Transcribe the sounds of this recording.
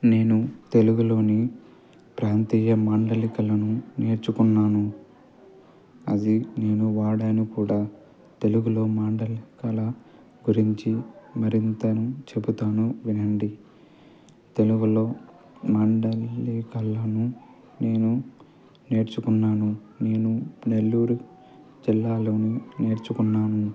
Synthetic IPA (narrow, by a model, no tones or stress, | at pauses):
ne̞ːnut̪e̞luɡulo̞ːni | pɾaːnt̪iːjɐmaːɳɖɐlikɐlɐnuneːɾt͡ʃukunːaːnu | ɐ̰d̪ine̞ːnuʋaːɽaːnikuːɽaː | t̪e̞luɡulo̞ːmaːɳɖɐlikɐlɐ | ɡuɾiɲt͡ʃimɐɾint̪ɐnut͡ʃe̞but̪aːnuʋinɐɳɖi | t̪e̞luɡulo̞ː | maːɳɖɐlːikɐlɐnu | ne̞ːnu | ne̞ːɾt͡ʃukunːaːnu | ne̞ːnune̞lːuːɾu | d͡ʒilːaːlo̞ːnine̞ːɾt͡ʃukunːaːnu